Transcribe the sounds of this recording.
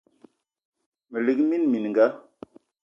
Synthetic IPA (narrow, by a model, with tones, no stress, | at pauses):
mə˨li˨kmi˦nmi˨n˨ŋɡa˦